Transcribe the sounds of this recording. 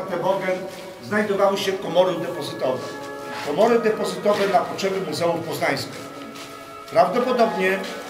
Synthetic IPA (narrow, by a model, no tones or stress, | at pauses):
t̪ɛbɔɾɡɛn | znajd̪ɔvawɘɕɛfkɔmɔɾɘd̪ɛpɔzɘt̪ɔvɛ | kɔmɔɾɘd̪ɛpɔzɘt̪ɔvɛnapɔtʂɛbɘmuzɛufpɔznaj̃skʲix | pɾavd̪ɔpɔd̪ɔbɲɛ